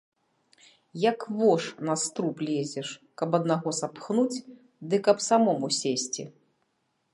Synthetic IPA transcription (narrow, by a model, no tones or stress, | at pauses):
jɐkvɔʂnɐst̪ɾuplʲɛzʲɛʂkɐpɐd̪naɣɔsapxnut͡sʲ | d̪ɨkɐpsamɔmusʲesʲt͡sʲḭ